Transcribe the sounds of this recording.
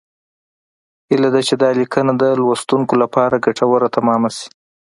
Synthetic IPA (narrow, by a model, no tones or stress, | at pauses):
hilad̪at͡ʃed̪ɑlikənad̪əlwast̪uŋkolapɑɾaɡaʈʰawəɾat̪amɑmasi̥